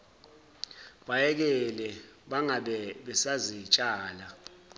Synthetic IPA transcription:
ɓajɛk̬ɛlɛɓaŋaɓɛɓɛsazit͡ʃʼaːla

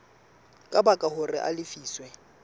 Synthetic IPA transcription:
kʼabakʼahʊrɪ̰ʔa̰lɪfiːswɛ

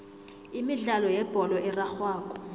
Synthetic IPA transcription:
imiɮalɔjɛb̥ʱɔlɔʔɛraxwaːkʼɔ̥

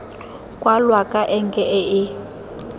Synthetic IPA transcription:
kʼwalwakʼaʔɛŋ̩kʼɛɛɪ

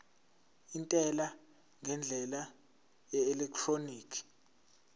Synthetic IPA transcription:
intʼɛla | ŋɛnd͡ɮʱɛla | ɛɛlɛk̚tʰroniːkʰi̥

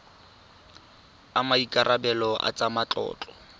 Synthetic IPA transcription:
amaikʼaɾʔabɛlɔʔa̰t͡sʼamat͡ɬʼɔ̰ːt͡ɬʼɔ

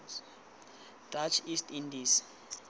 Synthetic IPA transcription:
d̥at͡ʃʰistʰindiːs

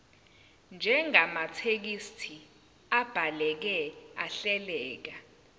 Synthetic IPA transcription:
nd͡ʒʱɛŋamatʰek̬istʰi | ab̥ʱalɛk̬ɛaɬɛlɛːk̬a

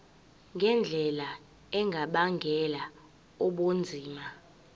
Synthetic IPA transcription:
ŋɡʱɛnd͡ɮʱɛla | ɛŋɡʱaɓaŋɡʱɛla | ɔɓond͡zʱiːma

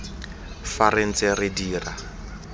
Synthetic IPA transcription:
faren̩t͡sʼɪrɪdiːra

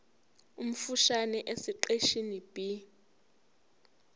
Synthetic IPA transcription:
um̩fuʃanɛʔesiǃeʃinib̥i

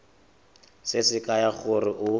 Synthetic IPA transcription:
sɪsɪkʼajaɣʊrɪʔʊ

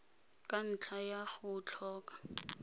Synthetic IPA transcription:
kʼan̩t͡ɬʰajaχʊt͡ɬʰɔːkʼḁ

